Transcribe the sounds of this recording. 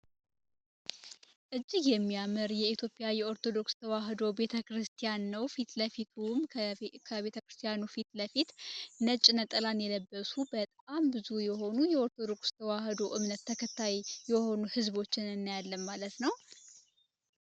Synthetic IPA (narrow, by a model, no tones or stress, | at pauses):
ʔɨd͡ʒːiɡjɛmːijamɨɾjɛit̪ʰjo̞pʼjajɛo̞ɾt̪ʰo̞d̪o̞kst̪ʰəwaɦd̪o̞be̞t̪ʰəkɾɨst̪ʰijanːəwfit̪ləfit̪ʰumʰkʰəβe̞t̪ʰəkɾɨst̪ʰijanufit̪ləfit̪nət͡ʃʼːnət̪ʼəlanjɛləbːəsubət̪ʼambɨzujɛɦo̞nujɛo̞ɾt̪ʰo̞d̪o̞kst̪ʰəwaɦd̪o̞ʔɨmnət̪ʰːəkʰət̪ʰːajjɛho̞nuhɨzβo̞t͡ʃːɪnɨnːajalːəmmalət̪nəw